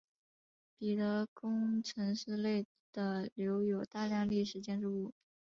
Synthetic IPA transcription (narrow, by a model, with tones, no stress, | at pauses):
pi˨˩t̪ɤ˧˥kʊ˥ŋʈ͡ʂʰɤ˧˥ŋʂɻ̩˥˧le˥˩ɪ | d̪̥ə˩ljo˧˥ʊjo˨˩ʊt̪a˥˧ljɑ˥˧ŋli˥˩ʂɻ̩˧˥t͡ɕjɛ˥nʈ͡ʂu˥˧u˥˩